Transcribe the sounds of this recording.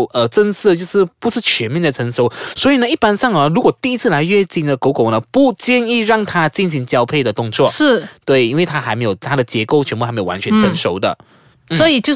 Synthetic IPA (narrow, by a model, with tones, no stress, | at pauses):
ə˧ʈ͡ʂə˥ns̩˥˧t͡ɕjo˥˧ʊʂɻ̩˥˩pu˧˥ʂɻ̩˥˩t͡ɕʰɥɛ˧˥nmjɛ˥˩ndə˩ʈ͡ʂʰɤ˧˥ŋʂo˧˥ʊswɔ˧˥i˨˩nə˧i˥˧pa˥nsɑ˥˩ŋə˧ɻu˧˥kwɔ˨˩t̪i˥˧i˥t͡sʰɹ̩˥˩la˧˥ɪɥɛ˥˧t͡ɕi˥˩nd̪ə˩ko˧˥ʊko˨˩ʊnə˦pu˥˩t͡ɕjɛ˥˧ni˥˧ɻɑ˥˩ŋt̪ʰa˥t͡ɕi˥˩nɕi˧˥ŋt͡ɕjɑ˥ʊpʰe˥˩ɪd̪ə˩t̪ʊ˥˧ŋt͡swɔ˥˩ʂɻ̩˥˩t̪we˥˩ɪi˥nwe˥˩ɪt̪ʰa˥xa˧˥ɪme˧˥ɪjo˨˩ʊt̪ʰa˥d̪ə˨t͡ɕjɛ˧˥ko˥˩t͡ɕʰnpu˥xme˧˥jwa˧nt͡ɕʰɥɛ˧˦nt͡sʰə˥nʂo˧˥ʊd̪ə̰˨ | n̩swɔ˧˥i˨˩t͡ɕjo˥˧